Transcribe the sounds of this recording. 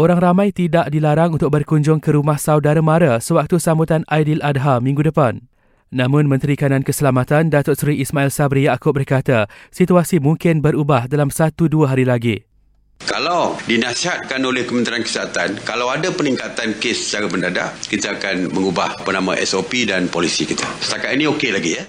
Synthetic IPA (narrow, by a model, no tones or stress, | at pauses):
ʔoɾaŋramãjt̪idaʔdilaɾaŋunt̪ʊk̚bərkuɲd͡ʒʊŋkəɾumahsawdaɾamãɾasəwak̚t̪usambut̪anajdiladɦamĩŋɡudəpanː | ãmʊ̃nmə̃nt̪ɾikanãnkəsəlamãt̪andat̪ʊtsɾiʔismãilsabɾijakʊp̚bərkat̪asit̪uasimũŋkɪnbəɾubahdalamsat̪uduaɦaɾilaɡi | kalawdinãsiɦat̪̚kanolɛhkəmənt̪ɾiankə̥sat̪ankalawadapənĩŋkat̪ankesə̥t͡ʃaɾabəndada̰ʔkit̪aːkanməŋubahapənãmãʔɛsopidanpolisikit̪asə̥t̪akat̪inĩokelaɡijə